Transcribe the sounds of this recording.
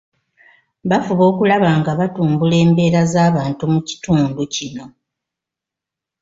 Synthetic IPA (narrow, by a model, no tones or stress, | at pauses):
βafuβo̞ːkulaβaːŋɡaβatuːmbule̞ːmbe̞ːɾazaːβaːntumuci̥tuːnducino̞